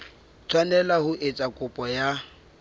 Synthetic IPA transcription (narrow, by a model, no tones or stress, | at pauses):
t͡sʰwanɛlahʊʔɪt͡sʼakʼʊpʼɔja